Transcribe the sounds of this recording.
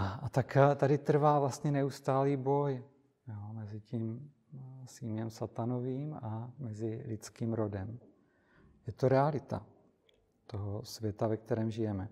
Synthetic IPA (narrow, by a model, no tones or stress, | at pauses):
aat̪akt̪adɪt̪r̩vaːvlast̪ɲɛnɛust̪aːliːbo̞j | joːmɛzɪciːm | siːmjɛmsat̪anoviːmamɛzɪlɪt͡skiːmɾo̞dɛm | jɛt̪oɾɛalɪt̪a̰ | t̪o̞ɦosvjɛt̪avɛk̚t̪ɛɾɛːmʒɪjɛmɛ